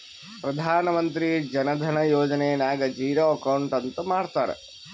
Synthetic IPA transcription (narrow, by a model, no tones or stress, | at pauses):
pɾɐd̪ʱaːnɐmɐnt̪ɾid͡ʒɐnɐd̪ʱɐnɐjoːd͡ʒɐnejɐnaːɡɐd͡ʒiːɾoːɐkɐwɳʈɐnt̪ɐmaːɽt̪aːɾḛ